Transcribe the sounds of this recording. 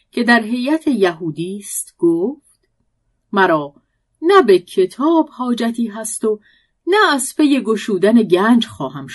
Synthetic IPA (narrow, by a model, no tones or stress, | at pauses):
cʰe̞d̪æɾɦe̞jæt̪ʰe̞jæɦuːd̪iːst̪ɡ̥oːft̪ | mæɾɒː | næbecʰe̞t̪ʰɒːbhɒːd͡ʒæt̪ʰiːɦæst̪o̞ | næːzpʰe̞je̞ɡoʃuːd̪æne̞ɟæːnd͡ʒxɒːɦæmʃ